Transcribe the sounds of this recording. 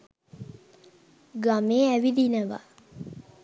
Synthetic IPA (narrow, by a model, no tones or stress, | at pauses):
ɡamẽɛwid̪inɛ̃ba̰